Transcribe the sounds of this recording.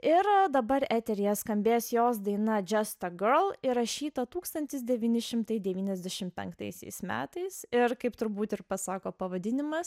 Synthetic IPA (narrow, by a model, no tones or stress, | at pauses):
ɪɾd̪ɐbɐɾæt̪ʲɛɾʲɪjɛskɐmʲbʲeːsjoːsd̪ɐɪnɐd͡ʒʲɛst̪ɐɡɜɾlˠɪɾɐʃʲiːt̪ɐt̪uːkst̪ɐnʲt̪ʲɪs̬d̪ʲɛʋʲiːnʲɪʃʲɪmt̪ɐɪd̪ʲɛʋʲiːnʲɛzʲd̪ʲɛʃʲɪmpʲɛ̰ŋkt̪ɐɪsʲɛ̰ɪsmʲæ̰ːt̪ɐɪsɪɾkɐɪpt̪ʊɾbuːt̪ɪɾpɐsɑːkoːpɐʋɐd̪ʲɪnʲɪmɐs